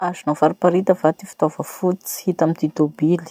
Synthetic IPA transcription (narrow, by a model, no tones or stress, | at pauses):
azinafaɾipaɾit̪əvat̪ifi̥t̪avəfut͡si̥hit̪amit̪it̪obili̥